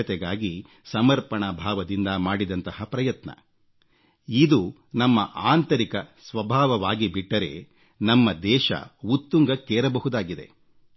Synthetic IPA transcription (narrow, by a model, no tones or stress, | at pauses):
ɐt̪ɛɡaːɡi | sɐmɐɾpɐɳɐbʱaːʋɐd̪ind̪ɐmaːɽid̪ɐnt̪ɐhɐpɾɐjɐt̪nɐ̰ | id̪u | nɐmːɐʔaːnt̪ɐɾikɐsʋɐbʱaːʋɐʋaːɡibiʈːɐɾe̞̰ | nɐmːɐd̪ɛːʃɐ̰ut̪ːuŋɡɐkeːɾɐbɐɦud̪aːɡid̪e̞̰